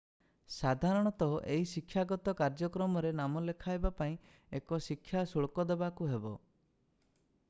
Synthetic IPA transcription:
sad̪ʱaɾɔɽ̃ɔt̪ɔʔeɦisikʰːjaɡɔt̪ɔkaɾd͡ʒɔkɾɔmɔɾenamɔlekʰajbapaĩ | ekɔsikʰːjasuɭkɔd̪ebakuɦebɔ

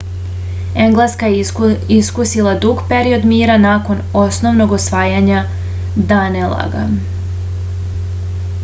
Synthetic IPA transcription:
e̞ŋɡlˠeskajiskusilˠad̪uɡpeɾio̞d̪miːɾanako̞no̞sno̞ʋno̞ɡosʋaːjaɲa | d̪anelˠa̰ɡa̰

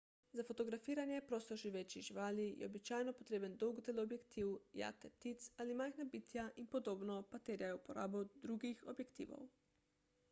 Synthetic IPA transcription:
zafot̪ɔɡɾafiːɾanjɛpɾoːst̪ɔʒiʋeːt͡ʃiʒiʋaːlijʔɛ̰obit͡ʃaːjnɔpɔt̪ɾeːbənd̪ɔwɡd̪eloːbjɛkt̪iwja̰t̪ɛp̚t̪it̪salimajxnabit̪jaʔinpɔd̪oːbnɔpat̪eːɾjajupɔɾa̰ːbɔd̪ɾuɡixɔbjɛkt̪ḭːʋɔ̰w

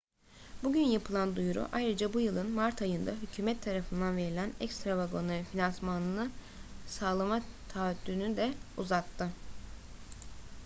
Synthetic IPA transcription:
buɟynjapʰɯlˠand̪ujuɾṵʔajɾɯd͡ʒabujɯlˠɯnmaɾt̪ʰajɯnd̪aɦycʰyːmɛt̪ʰːaɾafɯnd̪anve̞ɾilʲænɛ̰cst̪ɾavaɡo̞nafinansmanˠɯ | saːlˠamat̪ʰaːt̪lyːnd̪ɛuzat̪ʰːɯ

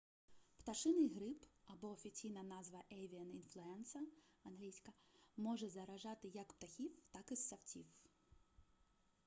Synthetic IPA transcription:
pt̪ɐʂɪnɪjɣɾɪpɐbɔɔfʲit͡sʲijnɐnazʋɐʔɛjʋʲiɐninflʲˠʊɛnsɐɐnɦlʲijsʲkɐmɔʐɛzɐɾɐʐɑt̪ɪjɐkpt̪ɐxʲiwt̪akɪsːɐwtʲiw

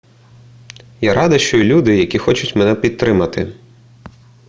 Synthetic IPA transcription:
jaɾɑd̪ɐʃt͡ʃɔilʲud̪ɪjɐkʲixɔt͡ʃʊtʲmɛnɛpʲid̪̚t̪ɾɪmɐt̪ɪ̰

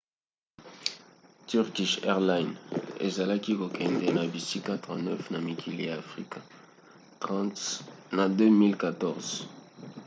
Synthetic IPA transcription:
t̪yʁkiʃɛʁlajnɛ̰zalakikokɛ̃nd̪enabisikat̪ʁãnɛfnamikʰiliafʁika | nad̪ømilkat̪ɔʁz

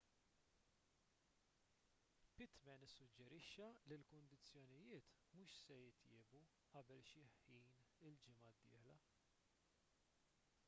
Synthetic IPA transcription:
pɪt̪mɛnɪsːʊd͡ʒːɛɾɪʃːɐlilkʊnd̪ɪt͡sːjɔnɪjɪːt̪ | muːʃsɛjɪt̪jɪːbu | ʔɐbɛlʃɪħiːnɪld͡ʒɪmɐd̪ːɪ̰ːħlɐ

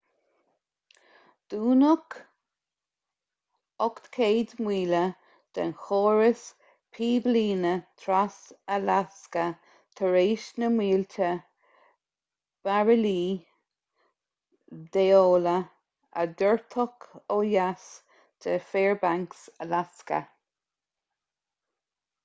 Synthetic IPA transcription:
d̪̥uːnək | ɔkt̪kʰeːd̪mwiːlə | d̪̥ə̰nxoːɹəs | pʰiːbliːnət̪ʰɾasəlaskə | t̪ʰəɹeːʃnəmwiːltʰə | b̥aɹəliː | d̪eoːlə | ə̰d̪əɹt̪ʰɔkʰoːjas | t̪ʰəfeːɹbaŋksəlaskə̰

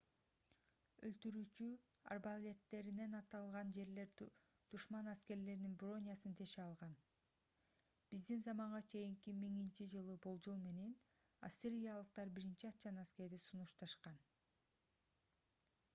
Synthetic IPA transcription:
ø̰lt̪yɾyːt͡ʃy | ɑ̰rbalʲe̞t̪ːe̞ɾine̞nɑt̪ɑlˠʁɑnd͡ʒe̞ɾle̞ɾ | d̪̥uʃmɑnæske̞ɾle̞ɾninbro̞nʲjɑsɯnt̪ʰe̞ʃeɑlˠʁɑn | b̥izd̪inzɑmɑɴʁɑt͡ʃʰe̞jiŋkʲimːiŋint͡ʃid͡ʒɯlˠɯbo̞lˠd͡ʒulˠme̞ne̞n | a̰sʲiɾʲijalˠɯq̚t̪ɑɾbiɾint͡ʃiɑt̪t͡ʃːɑnaske̞ɾd̪isunuʃt̪ɑʃqɑn

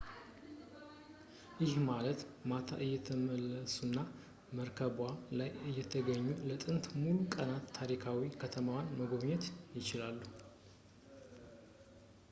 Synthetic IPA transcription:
jɪhmalət̪mat̪ʰa̰ʔɨjːɛt̪ʰəməlːəsunːa | məɾkʰəbalajɨjːɛt̪ʰəɡəɲːulət̪ʼɨnt̪mulukʼənat̪ʰːaɾikʰawikʰət̪ʰəmawanməɡo̞βɲɛt̪jɪt͡ʃɪlalːu

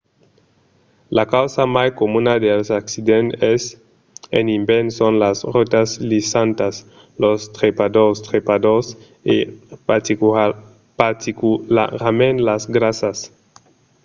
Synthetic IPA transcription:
lakawsamajkomunad̪elsaksid̪enes | ḛnimbensonlasrot̪aslisant̪as | lost̪ɾepad̪ost̪ɾepad̪os | e | i | pat̪ikulaɾamẽnlasɡɾasas

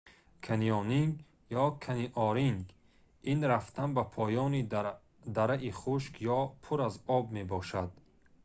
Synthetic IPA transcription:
kʰaniɔniŋɡ | jɔkʰaniʔɔɾiŋɡ | inɾaft̪ʰanbapʰɔjɔni | d̪aɾaʔiχuʃkjɔpʰuɾazɔbmebɔʃad̪̥

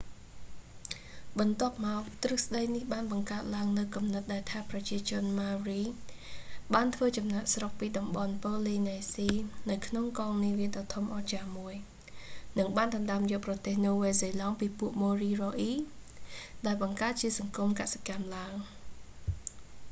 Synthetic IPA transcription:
ɓɑnt̪ŏəp̚maɔkt̪rɨhsɗəjnihɓaːnɓɑŋkaət̪̚laəŋnɨwkumnɨt̪̚ɗaɛlt̪ʰaːprɑt͡ɕiət͡ɕʊ̆ənmaːriː | ɓaːnt̪ʰʋəːt͡ɕɑmnaʔsrok̚piːɗɑmɓɑnpoːliːnasiːnɨwkʰnoŋkɑːŋniːʋiəɗɑːt̪ʰomʔɑːt͡ɕaːmuəj | nɨŋɓaːnɗɑnɗaəmjoːʔprɑt̪eːhnuːʋeːseːlɑŋpiːpuəʔmoːriːroːʔiː | ɗaɛlɓɑŋkaət̪̚t͡ɕiəsɑŋkumkase̥kamlaəŋ

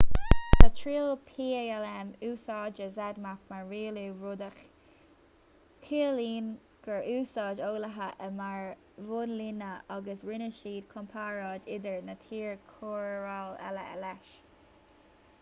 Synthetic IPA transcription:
atʰɹiːlpʰiːɛɛlɛmuːsɑːd͡ʒəzɛd̪makmaɹɹiːluɹod̪əx | kʰiːəliːn | ɡ̥əɹuːsɑːd͡ʒoːləɦəʔəmaɹ | vʊnlinəʔaɡəsɹɪnəʃiːd̪̚kʰɔmpʰaːɹɑːdɪd̪əɹnət̪ʰiːɹkʰoːɹɹalɛ̰ləɛ̰lɛʃ

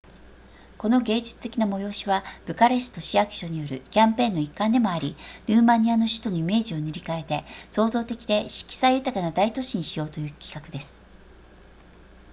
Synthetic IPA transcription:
ko̞no̞ɡe̞ːd͡ʑi̥t͡sɨ̥t̪e̞kʲinamo̞jo̞ːɕiβab̥ɯ̟kaɾe̞sɨ̥t̪o̞ɕiakɯ̥ɕo̞ɲ̟ijo̞ɾɯ̟̰kʲãmpẽ̞ːnːo̞ikːãnd̪e̞mo̞aɾʲiɾɯ̟ːmaɲ̟iano̞ɕɨ̥t̪o̞niime̞ːʑio̞nɯɾʲikae̞t̪e̞so̞ːzo̞ːt̪e̞kʲid̪e̞ɕi̥kʲi̥saijɯ̟t̪akanad̪ait̪o̞ɕiɲ̟iɕijo̞ːt̪o̞jɯ̟ːkʲi̥kakɯ̟d̪e̞sɨ̥

